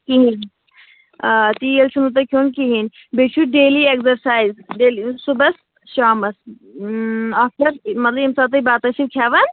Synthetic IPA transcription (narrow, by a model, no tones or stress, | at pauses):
kiɦin | t̪ijelʃunut̪̬ɐkʰoːnkiɦin | bet͡ʃʰuɖeːliekzɐɾsaːizɖeːlisubɐs | ʃaːmɐs | ɐsɐɾmɐt̪lɐbimsɐb̚t̪ɐibaːt̪ɐʃibkʰaːʋɐn